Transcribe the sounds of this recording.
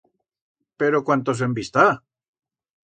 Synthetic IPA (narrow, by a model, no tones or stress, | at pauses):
pe̞ɾokwant̪os̬embist̪a